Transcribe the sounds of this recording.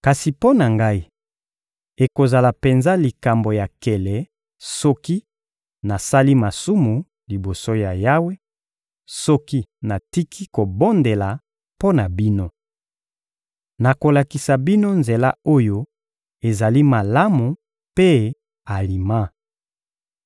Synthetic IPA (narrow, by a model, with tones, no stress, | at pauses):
ka˨si˨po˦na˨ŋɡa˦i˦ | e˨ko˨za˨la˨pe˨nza˦li˨ka˨mbo˨ja˨ke˨lɛ˨ | sɔ˦ki˦ | na˨sa˦li˦ma˨su˦mu˨ | li˨bo˨so˦ja˨ja˦we˦ | sɔ˦ki˦na˨ti˦kʰi˦ko˨bɔ˦nde˨la˨ | po˦na˨bi˦no˦ | na˨ko˨la˨ki˨sa˨bi˦no˦nze˨la˦o˦jo˦ | e˨za˨li˦ma˨la˦mu˨ | pe˦ | a˨li˨ma˦